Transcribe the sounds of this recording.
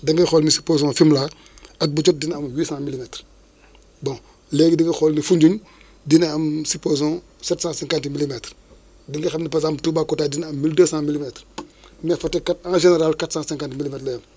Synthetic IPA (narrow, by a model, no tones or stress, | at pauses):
dɐŋɡɛxɔlnisi̥pozɔ̃ːfimlaː | ɐk̚but͡ʃɔt̚dinɐmwiːsãːmilimɛtr | bɔ̃ | lɛːɡdiŋɡɐxɔlnifuɲɟuɲ | dinɐɐmsipozɔ̃ː | sɛtsãːsɛ̃ŋkãntmilimɛtr | diŋɡɛxɐmnipɐzaːmtubaːkɔtaːdinɐmːildəːsãːmilimɛtrmɛfɐtɛkatãːʒenɛɾalkatsãːsɛ̃ŋkãntmilimɛtlɐjɐm